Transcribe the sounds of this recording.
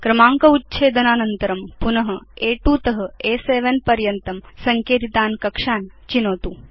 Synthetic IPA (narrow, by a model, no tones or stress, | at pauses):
kɾɐmaːŋkɐut̪ːt͡ʃʰeːd̪ɐnaːnɐnt̪ɐɾɐmpunɐɦɐeːʈuːt̪ɐɦɐ̆eːseːʋɐnpɐɾjɐnt̪ɐmsɐŋkeːt̪it̪aːnkɐkʂaːnt͡ʃinoːt̪uː